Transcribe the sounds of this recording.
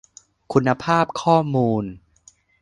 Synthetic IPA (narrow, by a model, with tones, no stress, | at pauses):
kʰu˧nːa˧pʰaː˥˩p̚kʰɔː˥˩muː˧n